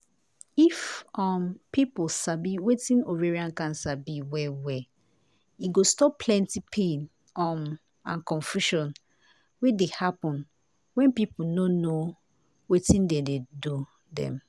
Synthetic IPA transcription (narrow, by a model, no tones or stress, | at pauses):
ifɔmpipulsabiwetĩnoveɹiãnkãnsabiwɛwɛ | iɡostɔpʰlɛ̃ntipʰẽn | ɔm | ã̰nkɔ̃nfjuʃɔ̃n | wedehapɔ̃n | wɛ̃npipunono | wetĩndededu | dɛ̰̃m